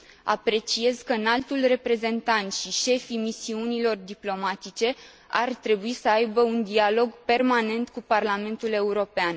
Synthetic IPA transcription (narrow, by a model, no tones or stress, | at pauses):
a̰pɾe̞t͡ʃie̞zkəɨnalt̪ulre̞pɾe̞ze̞nt̪ant̪ʃiʃe̞fimisiunilo̞rd̪iplo̞mat̪it͡ʃe̞ | a̰rt̪ɾe̞buisəajbəund̪ialo̞ɡpe̞rmane̞nt̪kuparlame̞nt̪ule̞uɾo̞pean